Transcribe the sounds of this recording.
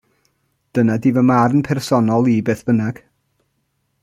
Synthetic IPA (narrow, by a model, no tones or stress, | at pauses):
d̥ənadivəmaɾənpʰɛrsɔnɔlˠibeːθb̥ənaɡ̥